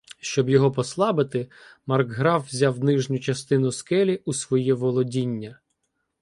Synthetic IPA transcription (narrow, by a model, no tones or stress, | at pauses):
ʃt͡ʃɔbjɔɦɔpɔslˠɑbɪt̪ɪmɐrɡɦɾɑwzʲɑwnɪʒnʲʊt͡ʃɐst̪ɪnʊskɛlʲiʔusʋɔjɛʋɔlˠɔdʲinʲːɐ